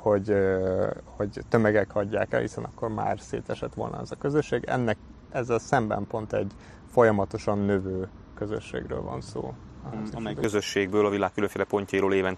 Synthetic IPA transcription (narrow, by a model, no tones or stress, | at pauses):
ho̞ɟ | ho̞ɟt̪ømɛɡɛkhɒɟːaːkɛ̰lhisɛnʔɒkːo̞rma̰ːrsḛːt̪ɛʃɛt̪ʋo̞lnɒ̰ɛzɒkø̞zøʃːeːɡɛ̰nːɛk | ɛzːɛlsɛmbɛ̰mpo̞nt̪ɛɟ | fo̞jɒmɒt̪o̞ʃɒnːøvøː | kø̞zø̰ʃːḛːɡrø̰ːlvɒ̰nso̰ː | ɛjkøzøʃːeːɡ̚bøːlɒvilaːkːyløɱfeːlɛpo̞ɲcɒiɾoːleːvɛn